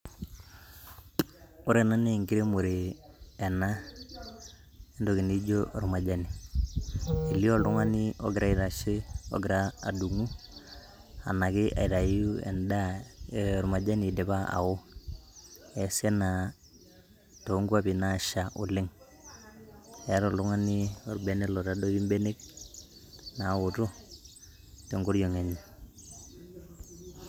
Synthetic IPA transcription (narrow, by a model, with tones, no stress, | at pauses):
ʊ˦ɾe˨na˦ne˦˨ŋɡi˦ɾe˦mo˨ɾe˨ɛ˨na˦ | e˦ndo˨ki˨ni˦d͡ʒo˦ʔɔ˨ɾma˨d͡ʒa˦ni˨ | i˨li˦ɔ˦ldʊ˦ŋa˦ni˦ɔ̰˦ɡɪ˨ɾa˦i˦ɾa˨ʃe˦ɔ̰˦ɡɪ˨ɾaː˦˨du˨ŋu˦ | a̰˨na˨kɪ˦ʔa̰˨i˨ɾa˨ju˦ɛ̰˨nda˦ɛ˨ɾma˨d͡ʒa˦ni˨dɛ˨pa˦a̰˨wo˦ | ɛ˨sɛ˦na˨ | to˨˦ŋɡu˦a˦pi˨na˦˨ʃa˨ʔʊ˨lɪ˦ŋ | ɛ˦ɾɔ˨lʊ˦ŋa˦ni˦ɔ˨ɾbe˦nɛ˦lɔ˨ɾa˦do˦i˦mbe˦ne˦k̚ | na˨˦ʊ˨tʊ˦ | te˨ŋɡo˦ɾjo˨ŋe˨ɲi˨